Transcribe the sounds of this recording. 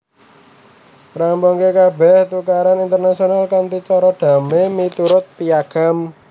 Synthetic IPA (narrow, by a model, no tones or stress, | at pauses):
ɾambɔŋkekabɛht̪ukaɾanint̪ərnasionalkant̪it͡ʃɔɾɔɖ̪̥a̤memit̪uɾʊt̪̚piaɡ̥a̤m